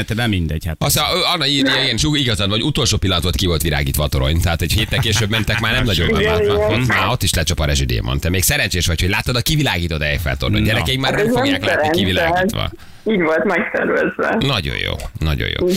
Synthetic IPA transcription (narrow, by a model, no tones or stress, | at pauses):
t̪ɛbɛmind̪ɛɟhat̪ɒsøɒnːɒiiiɡɛniʃuiɡɒzɒnvɒoɟut̪o̞lʃoːpilːɒnt̪ʋolt̪̚kivo̞lt̪ʋila̰ːɡiːt̪ʋɒːt̪oɾo̞̰ɲt̪ɛɦaːt̪ɛɟheːt̪ːɛlkeːʃøːbːmɛnt̪ɛkmaːrnɛmnɒɟomɛalɔot̪maːo̞t̪ːiʃlɛt͡ʃɒpɒɾɛʒyd̪ḛːmo̰nt̪ɛmeːksɛɾɛnt͡ʃeːʃʋɒchoɟlaːt̪ːɒd̪ɒkivilaːɡiːt̪ot̪ɛjfɛ̰lt̪orno̰ɟɛɾɛkɛikmaːrnɛmzfoɡjaːklaːɛɾninkivilaːɡiːʋɒ̰ | iːɟʋolt̪mɛk̚t̪ɛ̰rʋɛzʋɛ̰nɒɟo̰jo̰ːnɒ̰ɟo̰jʔo̰ː